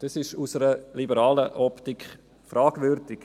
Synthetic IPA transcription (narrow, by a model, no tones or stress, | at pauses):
d̥ɑsɪʃusəɾəlibəɾɑːləʔɔptikχ | fɾaːɡ̥ʋʏɾdɪk